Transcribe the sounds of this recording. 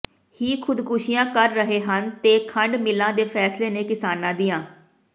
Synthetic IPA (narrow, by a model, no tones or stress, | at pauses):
hiːkʰʊd̪kʊʃijãːkəɾːəɦeːɦənt̪eːkʰəɳɖmɪlãːd̪eːpʰɛːsleːneːkɪsaːnãːd̪iːãː